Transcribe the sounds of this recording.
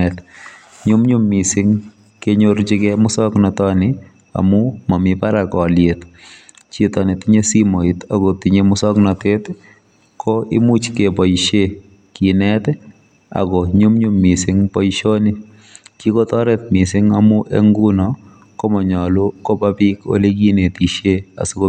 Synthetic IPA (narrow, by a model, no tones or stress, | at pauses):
ɛt̪ | ɲʊmɲʊmːisɪŋ | keɲoɾt͡ʃɪkɛmʊsɔknɔtɔnɪ | a̰mʊmɔmɪpaɾakɔljet̪ | t͡ʃitɔnitiɲesimoit̪aɡɔtiɲemʊsɔknɔtet | kʰɔɪ̰mut͡ʃkepɔjʃe | kinɛt̪ | a̰ɡɔɲʊmɲumːɪsɪŋpɔjʃonɪ | kikɔt̪ɔɾɛt̪mɪsɪŋamuʔḛŋɡunɔ | kɔmɔɲɔlukɔpapiko̰liɡinet̪iʃea̰sʊko